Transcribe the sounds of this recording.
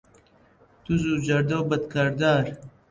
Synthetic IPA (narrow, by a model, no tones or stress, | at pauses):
t̪uzuːd͡ʑɐɾd̪obɐd̪kɐɾd̪aːɾ